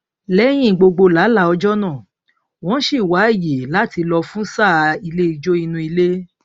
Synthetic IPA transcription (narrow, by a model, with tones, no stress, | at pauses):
lɛ˦j̃ĩ˦˨ɡ͡bo˧ɡ͡bo˧la˨˦la˦ɔ˧d͡ʒɔ˦nãː˦˨ | w̃ɔ̃˨˦ʃi˦˨wa˨˦i˦˨je˨la˨˦˨ti˧lɔ˧fũ˦sa˦˨˧i˧le˦i˧d͡ʒo˦i˧nũ˧i˧le˦